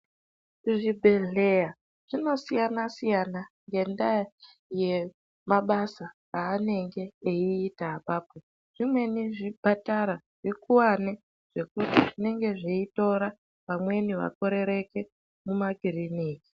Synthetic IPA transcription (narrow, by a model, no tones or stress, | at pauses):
ʐibʱe̞ɮe̞a | ʐ̥ino̞sijanasijanaŋɡe̞nda | je̞ | maɓasaː | ne̞ŋɡe̞ːiːtaːpaːpo | ʐ̥imwe̞niʐib̥ʱataɾa | ʐ̥ikuwane | ʐ̥e̞kutiʐine̞ŋɡe̞ʐiito̞ɾa | ʋamwe̞niʋa̰ko̞ɾe̞ɾe̞ke̞ | mumaɡiriniːki̥